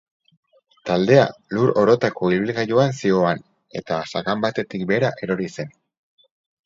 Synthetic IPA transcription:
t̪ald̪e̞a̰luɾo̞ɾo̞t̪ako̞ilβ̞ilɣaʝoansio̞an | e̞t̪asaɣambat̪e̞t̪ikbe̞ɾaʔe̞ɾo̞ɾise̞n

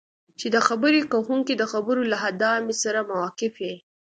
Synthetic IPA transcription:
t͡ʃed̪əxabəɾekahuŋkid̪əxabəɾolaɦad̪ɑmesaɾamawɑqɪfje

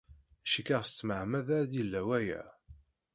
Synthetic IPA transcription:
æʃikaʁst͡sːməʕmæðæɾd̪ilːæwæjæ̰

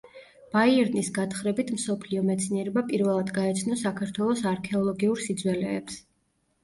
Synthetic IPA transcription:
b̥aiɛɾnisɡat̪ʰχɾɛbit̪ʰm̩sɔpʰliɔmɛt̪sʰniɛɾɛbapʼiɾvɛlˠad̪ɡaɛt̪sʰnɔsakʰaɾt̪ʰwɛlˠɔsaɾkʰɛɔlˠɔɡiuɾsid̪zwɛlɛːps

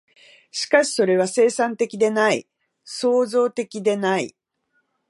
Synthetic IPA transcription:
ɕi̥kaɕi̥so̞ɾe̞β̞ase̞ːsãnt̪e̞kʲid̪e̞nai | so̞ːzo̞ːt̪e̞kʲid̪e̞naḭ

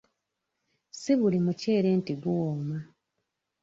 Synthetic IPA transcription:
siβulimuce̞ːɾe̞ːntiɡuwoːma

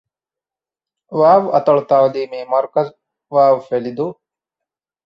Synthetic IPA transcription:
ʋaːʋɐt̪ɐɭt̪aːwliːmeːmɐɾkɐz | ʋaːʋfelid̪u

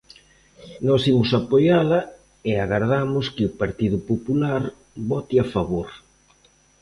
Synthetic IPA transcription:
nɔsimʊsapojaðɐ | eaɣaɾð̞amʊskɪʊpaɾt̪iðʊpopulaɾ | βɔt̪iafaβoɾ

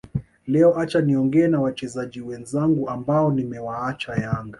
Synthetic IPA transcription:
lɛɔʔat͡ʃaniɔŋɡɛːnawat͡ʃɛzaʄiwɛnzaŋɡuambaɔnimɛwaat͡ʃajaŋɡa

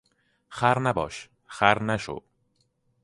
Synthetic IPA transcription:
xæɾnæbɒ̰ːʃ | χæɾnæʃo̰

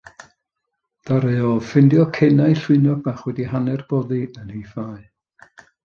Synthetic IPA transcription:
d̥aɾeɔfɪndjɔkʰɛnaɨɬwɪnɔɡ̚baχwɛdihanɛrb̥oːðiənijfaːɨ

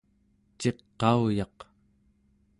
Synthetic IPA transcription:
t͡ʃe̞qːɑujɑq

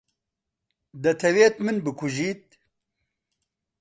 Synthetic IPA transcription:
d̪ɐt̪ʰɐweːt̪mɨnbɨkʰuʒiːt̪̚

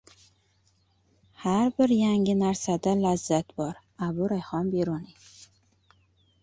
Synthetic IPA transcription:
haɾbɪɾjaŋɡɪnaɾsad̪alazːat̪bɒɾ | abʊɾajχɒmbeɾuni

